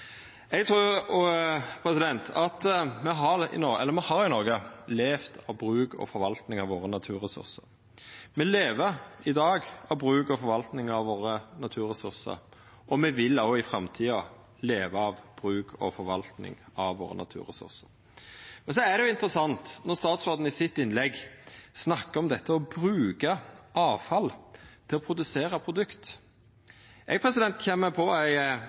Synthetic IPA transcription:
ɛɡt̪ʰɾʉː | pʰɾɛsɪd̪ɛnt̪ʰɑt̪mɛɦɑʁɪ̰nɔɛ̰lːəɾmɛhɑɾɪnɔɾɡəleːft̪ʰɑʋbɾʉːɡɔ̰fɔɾʋɑlt̪nɪŋɑʋoːɾənɑt̪ʰʉːɾʁɛsʉ̰ɾsəɾ | mɛleːʋəɪd̪ɑːɡɑʋbɾʉːkɔfɔɾʋɑlt̪nɪŋɑʋʋoːɾənɑt̪ʰʉːɾʁɛsʉɾsə̰ɾ | ʔɔmɛʋɪlːoɪfɾɑmt̪ʰiːɑ | leːʋəɑʋb̥ɾʉːkʰɔ̰fɔɾʋɑlt̪nɪ̰ŋɑʋʋo̰ːɾə̰nɑ̰t̪ʰʉ̰ːɾɛ̰sʉ̰ɾsəɾ | mɛns̬ɔæd̪ɛjʊɪnt̪əɾəsɑnt̪nɔʁst̪ɑːt̪sʋɔɾd̪n̩ɪsɪt̪ːɪnlɛɡsnɑkːəɾɔmd̪ɛt̪ʰːəɔbɾʉːkɑʔɑːʋfɑlt̪ʰɪlɔpʰɾʊd̪ʉseːɾɑpʰɾʊd̪ʉkt̪ | ʔɛɪɡ̚pʰɾɛsɪd̪ɛnt̪çɛmːəpʰɔæɪ

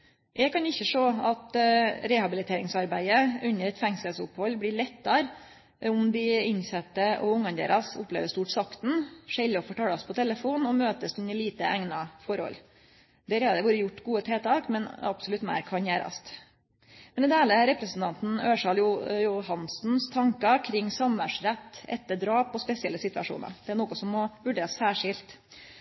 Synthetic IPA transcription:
jɛkʰɑnɪçːəʂoːɑt̪ɾɛhɑbɪlɪt̪ʰeːɾɪŋsɑɾbæɪəʉnːəɾɛt̪fɛŋsəlsʊphɔlːblɪɭɛt̪ːɑɾ | ʊmd̪ɪɪnsɛt̪ːəʔɔ̰ʊŋːɑnd̪ḛːɾʔɑsʊ̰pːlḛːʋəst̪uːʈsɑkt̪n̩ʂɛlːɪɔfɔʈɑːlɑspʰɔt̪ʰɛlːəfuːnɔmøːt̪əsʉnəɭiːt̪əæŋnɑfɔɾhɔ̰l | d̪ɛːɾhɑɾd̪ɛʋuːɾəjʊʈːɡuːət̪ʰeːt̪ʰɑːkmɛnɑ̰bsɔlʉt̪mæ̰ɪɾkʰɑnjæːɾɑ̰st̪ | mɛnɪd̪eːləɾɛpɾəsn̩t̪ʰɑnt̪n̩øːʂɑljʊjʊɦɑnsn̩st̪ʰɑŋkɑkʰɾɪŋːsɑmʋæʂɾæt̪ːɛ̰t̪ːəɖɾɑːpːɔspɛsɪɛlːəsɪt̪ʋɑ̰ʂṵːnɑ̰ɾd̪̥ɛæɳoːkɔsɔmːɔʋʉɖeːɾɑssæːʂɪlt̪

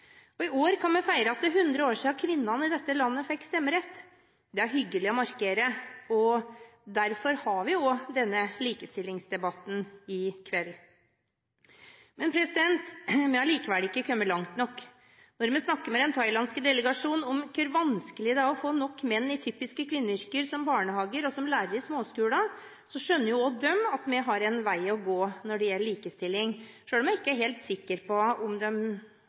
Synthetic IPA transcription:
ɔɪoːɾkʰɑnmɛfæɪɾəɑt̪̚d̪ɛɦʉnd̪ɾəoːʂiːɑkʰʋɪnːɑnɪd̪ɛt̪ːəlɑnːəfɛkːst̪ɛmːəɾɛt̪ː | d̪ɛæɾɦʏɡːəlɪɔmɑɾkeːɾəɔd̪æɾfɔɾhɑɾʋɪɔd̪ɛnːəliːkəst̪ɪlːɪŋsd̪ɛbɑt̪ːn̩ɪkʰʋɛl | mɛnpʰɾɛsɪd̪ɛnt̪mɛɑliːkəʋælɪkːəkʰœmːəɭɑŋt̪nɔkː | nɔɾmɛsnɑkːəɾmɛd̪ɛnt̪ʰɑɪlɑnskəd̪ɛləɡɑʂuːnɔmkʰøɾʋɑnskəlɪəd̪ɛɑɔfoːnɔkːmɛnːɪt̪ʰyːpɪskəkʰʋɪnːəʏɾkəɾsɔmbɑːɳəhɑːɡəɾɔsɔmlæːɾəɾsmoːskʉːlɑ | sɔʂœnːəɾjʊɔd̪œmːɑt̪mɛɦɑɾɛnʋæɪɔɡoːnɔɖɛjɛlːəɭiːkəst̪ɪlːɪŋʂøːlmɛɪkːəæɾɦeːlt̪sɪkːəɾpʰɔʊmd̪ɛm

